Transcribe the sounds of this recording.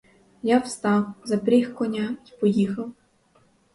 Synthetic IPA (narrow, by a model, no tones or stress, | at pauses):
jawst̪ɑwzɐpɾʲixkɔnʲaipɔjixɐw